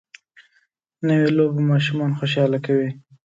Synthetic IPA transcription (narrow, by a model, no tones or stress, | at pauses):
nəwelobmɑʃumɑnxoʃɑlakawi